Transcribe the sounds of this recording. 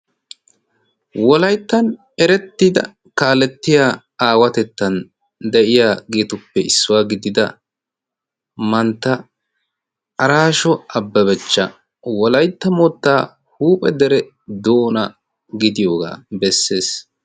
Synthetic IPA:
wɔlɐjt̪ːɐn | ɛɾɛt̪ːiːd̪ɐ̰ | kaːlɛt̪ːɪjaː | aːwɐt̪ɛt̪ːɐn | d̪ɛʔɪjaːɡeːt̪ʊpːɛɪsːʊwaːɡɪd̪ɪd̪ɐ | mɐnt̪ːɐ | ɐɾaːʃɔɐbːɐbɛt͡ʃːɐ | wɔlɐjt̪ːɐmoːt̪ːaː | huːpʼɛd̪ɛɾɛ | d̪oːnɐ | ɡɪd̪ɪjoːɡa̰ːbɛsːe̞ːs

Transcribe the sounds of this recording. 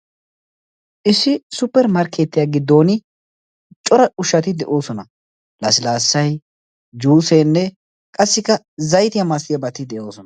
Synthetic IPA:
ʔɪsːɪsʊpːɛɾmɐɾkʰːeːt̪ːɪjaːɡɪd̪ːo̞ːnɪ | t͡ʃʼɔɾɐʊʃɐt̪ɪd̪ɛʔo̞ːsɔnɐ | lɐsɪlaːsːɐj | d͡ʒuːseːnːɛ | kʼɐsːɪkːɐ | zɐjt̪ɪjɐmɐst̪ɪjɐbɐt̪ːɪd̪ɛʔo̞ːsɔnɐ

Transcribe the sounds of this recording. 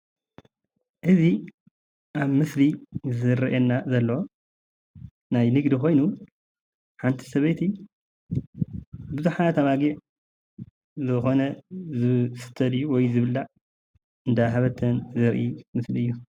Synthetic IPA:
ʔɨzi | ʔaβmɨslizɨɾɐʔenːazɐlːɐo | najnɨɡd̪ixo̞jnu | ħant̪ʰi̥sɐβejt̪ʰi | bɨzuħat̪ʰɐβaɡiʕ | zɨxo̞nɐzɨsɨ̥t̪ʰɐd̪juwɔjzɨβɨlːaʔ | ɨnd̪aɦaβɐt̪ʰːɐnzɨɾʔimɨsliɨjːu

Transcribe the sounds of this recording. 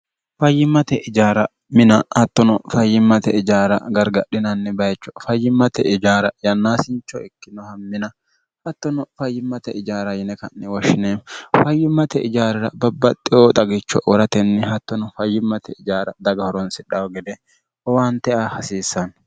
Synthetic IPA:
fɐjːɪmːɐt̪ɛʔɪd͡ʒaːɾɐ | mɪnɐɐt̪ːɔnɔfɐjːɪmːɐt̪ɛɪd͡ʒaːɾɐ̰ɡɐɾɡɐɗːɪnɐnːɛbɐjt͡ʃːɔfɐjːɪmːɐt̪ɛʔɪd͡ʒaːɾɐjɐnːaːsɪnt͡ʃːɔɪkːɪnɔhɐmːɪnɐ | hɐt̪ːɔnɔfɐjːɪmːɐt̪ɛɪd͡ʒaːɾɐjɪnɛkɐnːɛwɔʃːɪneːfɐjːɪmːɐt̪ɛɪd͡ʒaːɾɪɾɐbɐbːɐt̪ʼːɪoːt̪ʼɐɡɪt͡ʃːɔ̰ʔɔɾɐt̪ɛnːɛhɐt̪ːɔnɔfɐjːɪmːɐt̪ɛɪd͡ʒaːɾɐd̪ɐɡɐhɔɾɔnsɪᶑɐwɡɛd̪ɛ | ɔwant̪ɛʔahɐsiːsːɐn

